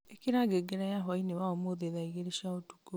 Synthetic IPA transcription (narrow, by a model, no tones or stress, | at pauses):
ekiɾaɡeɡeɾɛjaɦɔinewaomoðeðaiɣeɾeʃaotu̥ko